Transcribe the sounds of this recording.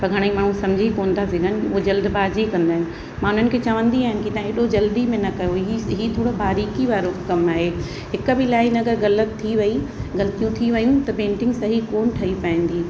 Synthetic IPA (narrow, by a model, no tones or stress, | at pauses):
pɐɾɡʱɐɽ̃imaːɳ̤ũsɐ̃md͡ʑʱikoːnt̪ʰasiɡʱənɪ̆ʊod͡ʑɐld̪baːd͡ʑikɐ̃nd̪aːɦɪnɪ̆ | mãːʊn̤ənɪ̆kʰeːt͡ɕɐʋə̃nd̪iaːɦɪnɪkit̪ãːɦeɗod͡ʑɐld̪imẽnɐkɐjoiɦiːt̪ʰoːɽobaːɾiːkiʋaːɾokɐmaːɦe | ɦɪk̆bɪlaːinɐɡəɾɣɐlət̪ʰːiʋɐiɣɐlt̪ijũt̪ʰiʋɐjũt̪ɐpẽːɳʈɪ̃ŋɡsɐɦikoːnʈʰɐipɐɦɪ̃n̆d̪iː